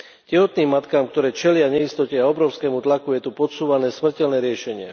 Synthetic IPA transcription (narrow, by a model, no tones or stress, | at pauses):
cɛɦɔt̪niːmːat̪kaːmkt̪ɔɾɛːt͡ʃɛlɪaɲɛist̪ɔcɛaɔbɾɔʊskɛːmut̪lakujɛt̪upɔt̪suːʋanɛːsmr̩cɛlnɛːɾɪɛʃɛɲɪɛ